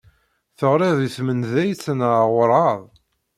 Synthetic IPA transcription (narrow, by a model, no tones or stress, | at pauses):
θəʁɾɪðˤiθmənðæjt͡sːənʁʊɾˤɑðˤ